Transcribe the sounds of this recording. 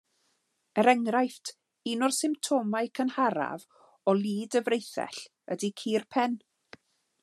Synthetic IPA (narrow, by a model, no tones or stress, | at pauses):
əɾɛŋɾajftʰ | inʊrsɪmptʰɔmaɨkʰənhaɾa̰v | ɔlˠiːdəvrejθɛ̰ɬ | ədikʰiːrpʰɛn